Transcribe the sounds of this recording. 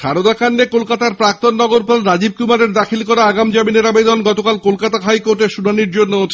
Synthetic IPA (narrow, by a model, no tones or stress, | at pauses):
ʃʰaɾod̪akʰanːekolkat̪aɾpɾak̚t̪onːɔɡoɾpɔlɾad͡ʑib̚kumaɾeɾd̪akʰilkɔɾaaɡamd͡ʑamineɾabed̪ɔnɡɔt̪okalkolkat̪aɦajkoɾʈeɾʃunaniɾd͡ʑonːoot̪ʰ